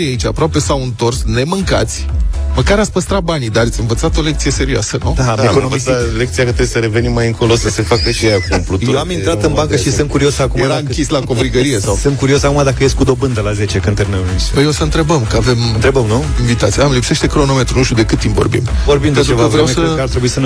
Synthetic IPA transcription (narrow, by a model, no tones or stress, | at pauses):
ijait͡ʃa̰pɾoape̞sawɨnt̪o̞rsne̞mɨŋka̰t̪sʲməkaɾat̪sʲpəst̪ɾat̪̚banid̪aət̪sʲɨnvət̪sat̪o̞lekt̪sijese̞ɾioa̰sənud̪akosle̞k̚t̪sijakət̪ɾebjesəɾe̞ve̞nimːajɨŋko̞losəsefakət͡ʃejakunplut̪jewaminɾat̪ɨnbaŋkəʃisɨnt̪kuɾiosakumaeɾaɨŋkʲislako̞vɾiɡəɾijesawsɨnt̪̚kuɾio̞sakumad̪akəjest̪ʲkud̪o̞bɨnd̪əlaze̞t͡ʃekɨnt̪erneunipəjeosəɨnt̪ɾe̞bəmkəave̞mɨnt̪ɾe̞bəmnuinɱvit̪at̪siamlipse̞ʃt̪e̞kɾo̞no̞me̞t̪ɾunuʃt̪jud̪e̞kɨt̪ːimpvo̞̰ɾbḭmvoɾbimeenɾevkəvɾeamsəart̪ɾe̞buisən